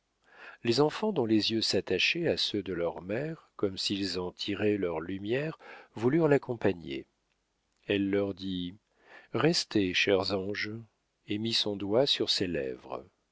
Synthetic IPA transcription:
lezɑ̃fɑ̃d̪ɔ̃lezjøsat̪aʃeasød̪əlœʁmɛʁkɔmsilzɑ̃t̪ʰiʁɛlœʁlymjɛʁvulyʁlakɔ̃paɲḛ | ɛlːœʁd̪i | ʁɛst̪eʃɛʁzɑ̃ʒ | emisɔ̃d̪wasyʁselɛ̰vʁə̰

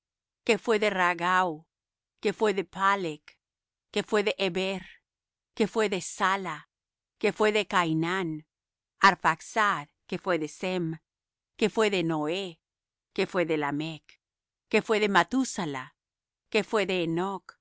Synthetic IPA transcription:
kefwe̞ðe̞raɣaw | kefweðepalekː | efweðeʔeβeɾ | kefweðesala | kefweðe̞kajnan | aɾfaksaðkefwe̞ðesem | kefwe̞ðenoe | kefwe̞ðelamekː | efwe̞ðemat̪usala | kefwe̞ðeːnok

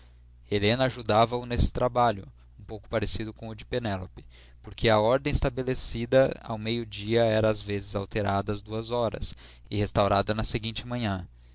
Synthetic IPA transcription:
elẽnɐːʒud̪avɐʊnesɪ̥t̪ɾabaʎʊ | ũpowkʊ̥paɾesid̪ʊkõʊd͡ʒɪpenɛlopɪ̥ | poɾkeɐɔɾd̪ẽj̃ɪst̪abelesid̪ɐa̰wmejʊd͡ʒiɐɛɾɐːzvezɪzawt̪eɾad̪ɐɐzd̪uɐzɔɾɐ̰sɪhest̪awɾad̪ɐnɐseɡĩnt͡ʃɪmɐ̃ɲɐ̃

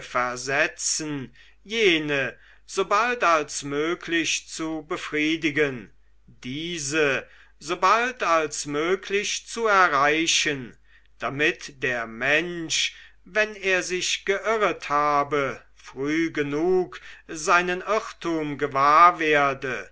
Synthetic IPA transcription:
fɛɐzɛt͡sn̩ | jeːnə | z̥oːbaltalsmøːkʰlɪçt͡subəfʁ̥iːdɪɡən | d̥iːzə | zoːbaltalsmøːkʰlɪçt͡suɛɐʁaɪʃən | d̥amɪtd̥eːɐmɛnʃ | vɛneːɐzɪɕɡ̥əʔɪʁəthaːbə | fʁ̥yːɡənuːkzaɪnənɪʁtuːmɡəvaːɐveːɐdə

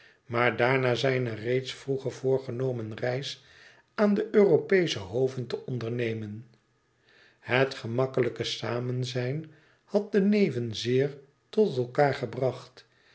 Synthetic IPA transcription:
maːɹdaːɹnaːzɛjnərejtsfruχəɹv̥ʊːɹχənowmənrɛjs | aːndəʔøːropejsəɦowvəntəʔɔndəɹnejmən | hətχəmɑkələkəsaːmənzɛjn | hɑt̚dənejvənzɪːɹ | tɔtɛlˠkaːɹχəbrɑχt

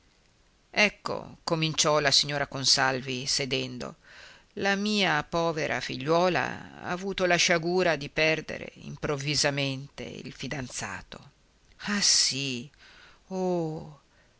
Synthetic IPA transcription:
ɛkːo̰komint͡ʃɔlasiɲːoːɾakonsalvised̪ɛnd̪o̰ | lamiːapɔːveɾʔa̰fiʎːwɔːla̰a̰ːvuːt̪olaʃaɡuːɾad̪ipɛrd̪ḛɾḛḭmpɾovːizament̪ḛḭlfid̪ant̪sa̰ːt̪o | asi | o

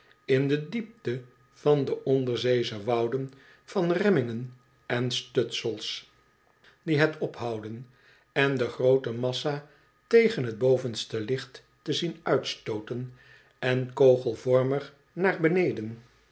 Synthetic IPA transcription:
ɪndədip̚tə | v̥ɑndəʔɔndəɹzejzəʋɑwdən | v̥ɑnrɛmɪŋən | ɛnstøtsəlˠs | diɦɛtɔpɦɑwdən | ɛndəχrowtəmɑsa | tejχənɦəd̚bowvənstəlɪχtː | əzinœɥtstowtən | ɛnkowχəlˠvɔɹməɹ | naːɹbənejdən

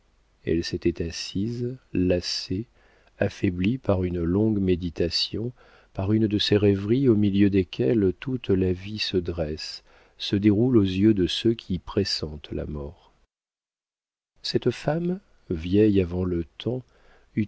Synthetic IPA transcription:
ɛ̰lset̪ɛt̪asizlase | afɛblipaʁynlɔ̃ɡmed̪it̪asjɔ̃ | paʁynd̪əseʁɛvʁiomiljød̪ekʲʰɛlt̪ut̪lavisəd̪ʁɛs | səd̪eʁulozjød̪əsøkʲʰipχesɑ̃t̪la̰mɔʁ | sɛt̪fam | vjɛjavɑ̃lət̪ʰɑ̃ | y

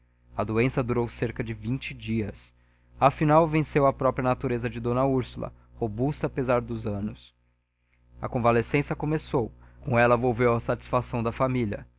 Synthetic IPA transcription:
ɐd̪oẽsɐd̪uɾowseɾkɐd͡ʒɪvĩnt͡ʃɪd͡ʒiɐs | afinawvẽsewɐpɾɔpɾiɐnat̪uɾezɐd͡ʒɪd̪õnɐuɾsulɐ̰ | hobust̪ɐːpezaɾd̪ʊzɐ̃nʊs | ɐ̰kõvalesẽsjɐkomesowkõw̃ɛlɐvowvewɐsat͡ʃi̥sfasɐ̃w̃d̪ɐfamilɐ

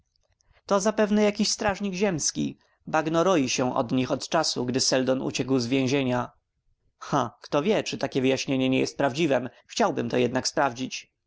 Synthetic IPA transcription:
t̪ɔzapɛvnɛjakʲiɕst̪ɾaʐɲiɡʑɛmskʲḭ | baɡnɔɾɔjiɕɛʔɔ̰d̪ɲixɔt̪t͡ʂasuɡd̪ɘsɛld̪ɔnṵt͡ɕɛkwzvʲjẽʑeɲa | xakt̪ɔvʲjɛt͡ʂɘt̪akʲɛvɘjaɕɲeɲɛɲɛjɛst̪̚pɾavd͡ʑivɛmxt͡ɕawbɘmt̪ɔjɛd̪nakspɾavd͡ʑit͡ɕ

